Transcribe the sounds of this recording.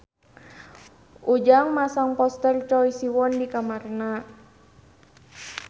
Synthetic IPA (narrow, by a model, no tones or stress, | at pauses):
ʔud͡ʒaŋmasaŋpɔst̪ərt͡ʃɔjsiwɔndikamarna